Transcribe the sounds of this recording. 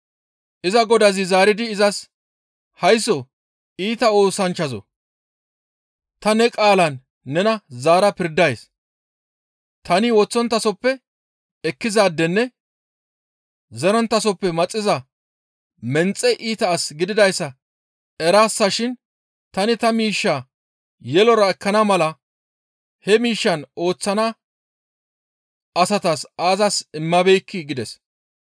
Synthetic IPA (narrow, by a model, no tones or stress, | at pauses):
ʔɪzɐɡɔd̪ɐzɪzaːɾɪd̪ɪːzɐs | hɐjsɔ | ʔiːt̪ɐo̞ːsɐnt͡ʃːɐzɔ̰ | t̪ɐnɛkʼaːlɐnː | ɛnɐzaːɾɐpɪɾd̪ɐjs | t̪ɐnɪwɔt͡sːɔnt̪ːɐsɔpːɛ | ɛkːɪzaːd̪ːɛnːɛ | zɛɾɔnt̪ːɐsɔpːɛmɐt͡sʼːɪzɐ | mɛnt͡sʼːɛʔiːt̪ɐːsɡɪd̪ɪd̪ɐjsːɐ | ɛɾaːsːɐʃɪn | t̪ɐnɪt̪ɐmiːʃːaː | jɛlɔɾɐɛkːɐnɐmɐlɐ | hɛmiːʃːɐno̞ːt͡sːɐnɐ | ɐsɐt̪asaːzɐsɪmːɐbɛjkːɪɡɪd̪ɛs